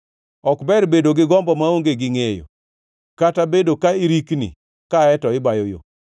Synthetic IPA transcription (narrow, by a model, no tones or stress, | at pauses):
ɔkbɛrbedoɡɪɡɔmbɔmaoŋɡeɡɪŋejo̰ | katabedokaiɾiknḭ | kaɛtɔɪbajojo̰